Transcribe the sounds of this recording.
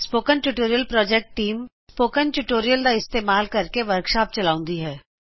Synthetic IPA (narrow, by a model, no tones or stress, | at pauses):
spoːkənʈuʈoːɾijəlpɾɔːd͡ʒek̚ʈʈːiːmspoːkənʈuʈoːɾijəld̪aɪst̪eːmaːlkɐɾkeʋɐɾkʃaːp̚t͡ʃɐlaːʊ̃nd̪iɦɛː